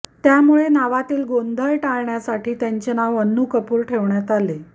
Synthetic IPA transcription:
t̪jamuɭenaʋat̪iːlɡond̪ʱəjʈaɭɳjasaʈʰiːt̪jaɲt͡ɕenaʋənːukəpuːɾʈʰeʋɳjat̪ale

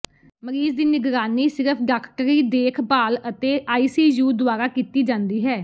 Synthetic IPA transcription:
məɾiːzd̪iːnɪɡɾaːniːsɪɾəpʰɖakʰʈəɾiːd̪eːkʰbaːlət̪eːʔaːiːsiːjuːd̪ʊaːɾaːkiːt̪iːd͡ʒãːnd̪iːɦɛː

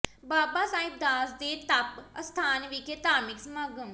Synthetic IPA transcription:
baːbaːsaːɪb̚d̪aːsd̪eːt̪əpəst̪ʰaːnʋikeːt̪aːmɪksmaɡõː

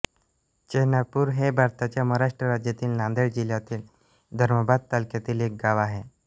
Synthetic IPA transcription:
t͡ɕeɦnapuːɾɦebʱaɾt̪at͡ɕjaməɦɾaʂʈɾəɾad͡ʑjat̪iːlnãnd̪əɭd͡ʑiljat̪iːl | d̪ʱəɾməbad̪̚t̪alkjat̪iːlek̚ɡaʋaɦe

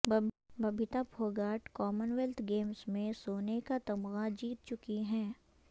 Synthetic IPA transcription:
b | bɐbʱɪt̪apʰoːɡaːʈkɔːmənʋɛlt̪ʰɡeːmsmẽsoːnekat̪ɐmɣad͡ʒiːt̪̚t͡ʃʊkiɦɛ̃ː

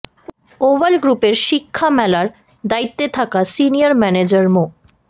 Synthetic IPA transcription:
oʋalɡɾupeɾʃikʰːamɛlaɾ | d̪ait̪ːet̪ʰakasinijaɾmɛned͡ʑaɾmo

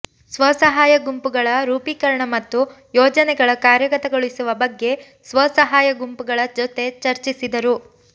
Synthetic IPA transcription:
sʋɐsɐɦaːjɐɡumpuɡɐɭɐɾuːpiːkɐɾɐɳɐmɐt̪ːu | jɔːd͡ʒɐnɛɡɐɭɐkaːɾjɐkɐt̪ɐɡoɭisuʋɐbɐɡːe̞ | sʋɐsɐɦaːjɐɡumpuɡɐɭɐd͡ʒot̪e̞t͡ʃɐɾt͡ʃisid̪ɐɾu

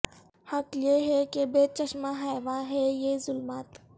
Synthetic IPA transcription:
hɐkjeɦɛkebeːt͡ʃɐʃmãɦaːjʋaɦɛjezʊlmaːt̪

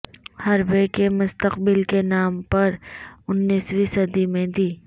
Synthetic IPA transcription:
hɐɾbekemʊst̪əqbɪlkenaːmpɐɾʊnːiːswisɐd̪imẽd̪iː

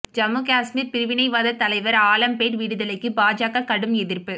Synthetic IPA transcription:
d͡ʒɐmːɯkaːsmiːɾpɪɾɯʋɪnɐɪʋaːðɐt̪ɐlɐɪʋɐɾaːlɐmpeːʈʋiːɽɯðɐlɐɪkːɯbaːd͡ʒaːkɐɾkɐɽɯmɛðɪɾpɯ

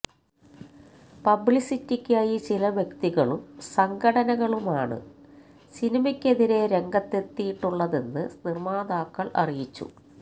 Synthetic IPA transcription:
pɐbɭisitːikʲːaːjit͡ɕilɐʋjekt̪iɣɐɭumsɐŋɡʱɐɽɐnɐɣɐɭumaːɳɨ̰ | sinimɐkʲːe̞ðiɾe̞ɾe̞ŋɡɐt̪ːe̞t̪ːijiʈːuɭːɐðe̞nːɨ̰nirmaːd̪aːkːɐɭʔɐ̰rijit͡ɕːṵ

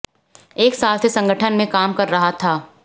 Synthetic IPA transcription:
eːksaːlsesɐ̃ŋɡəʈʰənmẽkaːmkɐɾːɐɦat̪ʰaː

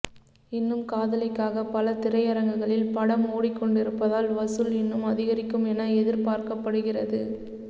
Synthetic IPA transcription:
ɪnːɯmkaːðɐlɐɪkːaːɣɐpɐlɐt̪ɪrɐɪɐɾɐŋɡɯɣɐɭɪlpɐɽɐmoːɽɪkːɔɳɖɪɾɯpːɐðaːlʋɐsɯlɪnːɯmɐðɪɣɐɾɪkːɯmɛnɐɛðɪɾpaːɾkɐpːɐɽɯɣɪrɐðɯ

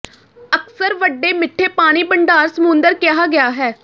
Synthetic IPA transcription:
əksəɾʋəɖːeːmɪʈʰːeːpaːɽ̃iːbəɳɖaːɾsəmũːnd̪əɾkɪɦaːɡɪjaːɦɛː

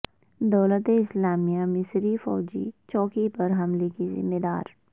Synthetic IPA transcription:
d̪ɔːlət̪eɪslaːmijamɪsɾifɔ̰ːd͡ʒḭt͡ʃɔːkipɐɾɦɐmlekizɪ̰mːed̪a̰ːɾ

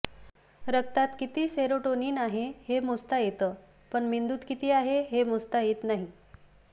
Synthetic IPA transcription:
ɾək̚t̪at̪kit̪iːseɾoʈoniːnaɦehemust̪ajet̪əː | pəɳmind̪uːt̪kit̪iːaɦeɦemust̪ajet̪naɦi

